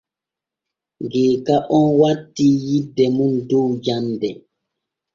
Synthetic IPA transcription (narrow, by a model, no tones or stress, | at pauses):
ŋɡeːkaʔɔnwatːijidɛmundowjamdɛ